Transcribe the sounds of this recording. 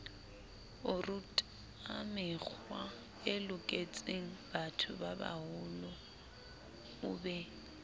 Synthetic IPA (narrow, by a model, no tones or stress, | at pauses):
ʊrutʼ | amɪk͡xʰwa | ɪlʊkʼet͡sʼeŋ̩batʰʊbaba̰hʊlʊ | ʊbɛ